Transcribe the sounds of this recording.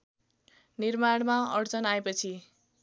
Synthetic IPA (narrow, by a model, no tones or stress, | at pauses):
nirmaɽ̃maʌɽt͡sʌnaepʌt͡sʰi